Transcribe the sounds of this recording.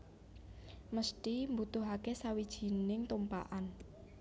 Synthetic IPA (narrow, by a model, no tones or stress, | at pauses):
məsʈimbut̪ʊɦakesawid̥ʒ̥i̤nɪŋt̪umpa̰ʔan